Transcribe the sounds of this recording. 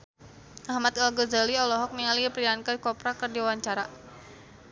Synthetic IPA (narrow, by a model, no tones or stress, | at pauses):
ʔaɦmat̪alɡəd͡ʒaliɔlɔɦɔk̚niŋaliprijankakɔpɾakɨrdiwawaɲt͡ʃaɾa